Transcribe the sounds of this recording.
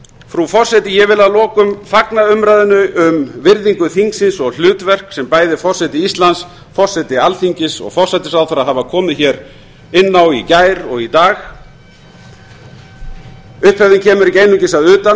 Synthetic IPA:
fɾufɔr̥sɛt̪ɪjɛvɪlaðlɔːkʏmfaknaʏmɾajðʏnʏʔʏmvɪɾðiŋkʏθiŋksɪnsɔɣl̥ʏːt̪vɛr̥ksɛmpaːjðɪfɔr̥sɛt̪ɪist̪lans | fɔr̥sɛt̪ɪalθiɲcɪsɔ̰ɣfɔr̥sɛjt̪ɪsaðθaɾaðɦaːvakʰɔːmɪðçɛɾ | ɪnːawicaːjɾɔɣit̪aːx | ʏhphɛvðɪncʰɛːmʏɾicejnʏɲcɪsaðʏːt̪a

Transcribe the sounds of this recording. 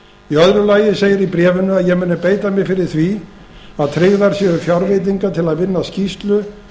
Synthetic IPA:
iœðɾʏlaːjɪseːjɪɾipɾɛːvʏnʏaðjɛɣmɪːnʏpeːjt̪amjɪɣfɪɾɪɾ̥θvi | aðt̪ʰɾɪɣðaɾ̥sjɛʏfjawɾvɪt̪̬iŋkat̪ʰɪlaðvɪnːascist̪lʏ

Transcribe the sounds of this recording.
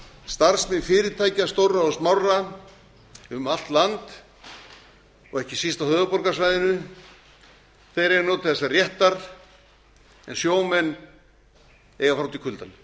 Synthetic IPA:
st̪aɾsmɪðfɪːɾɪt̪ʰaːjcast̪owraɔsmawra | ʏmal̥t̪lant̪ | ɔɣɛhcɪsist̪awhœːðʏpɔɾkasvajðɪnʏ | θejɾɛɾnɔwt̪ʰɪθɛsarjɛht̪aɾ̥ | ɛ̰nsjoːwmɛnː | ɛːɣafɾawt̪ɪkʰʏlt̪an

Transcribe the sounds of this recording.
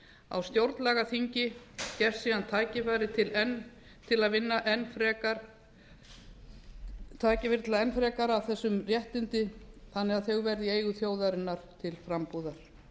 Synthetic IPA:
a̰wst̪jowɾt̪nlɛɣaθiɲcɪ | cɛfsiːðant̪ʰaːcɪfaːjɾɪt̪ʰɪlɛn | t̪ʰɪlaðvɪnːaʔɛnːfɾɛkaɾ | t̪ʰaːcɪvɪɾt̪ɪlaɛnfɾɛːkaɾawθɛsːʏmrjɛht̪ɪnt̪ɪθanːɛɣaðθœɣvɛɾðɪeːjɣʏθjoːwðaɾɪnːaɾ̥t̪ʰɪlfɾampuːðaɾ̥

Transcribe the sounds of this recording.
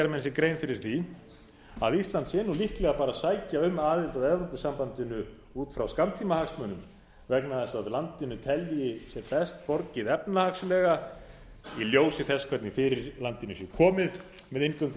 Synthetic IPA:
ɛɾmɛnsjɛkɾejnfɪɾɪɾ̥θi | a̰ðist̪lant̪sɛːnːulihklɛɣapaːɾasaːjcaʏmaːðɪlt̪aðɛvɾowpʏsːampant̪ɪnʏ | uːt̪fɾawskamt̪ʰimahaksmœːnʏm | vɛknaðɛst̪aðlant̪ɪnːʏt̪ʰɛljɪsjɛɾpɛst̪̚pɔɾcɪðɛpnahakslɛːɣa | iljoːwsɪθɛskʰvɛt̪nɪŋfɪɾɪɾlant̪ɪnːʏsjɛkʰɔːmɪð | mɛðejŋkœŋk

